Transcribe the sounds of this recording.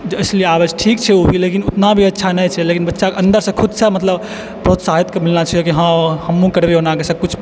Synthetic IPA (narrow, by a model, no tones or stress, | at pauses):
d͡ʒəɪslieabət͡ʃʰʈʰik̚t͡ʃʰɛobʱilekinut̪nabʱiətːʃʰanɛjt͡ʃʰɛlekinbətːʃakeə̃nd̪əɾsə̃kʰud̪səmət̪ləb | pɾot̪saɦit̪kemilnat͡ʃʰəjokiɦãhəmːũkəɾbeonãkesə̃kut͡ʃʰ